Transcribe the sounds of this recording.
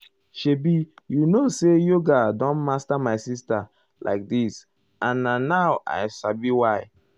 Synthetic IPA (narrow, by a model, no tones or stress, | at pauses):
ʃebijunosejoɡadɔ̃nmastamaɪsista | lʔa̰ɪk̚dis | ãnːanaʊʔa̰ɪsabiwaɪ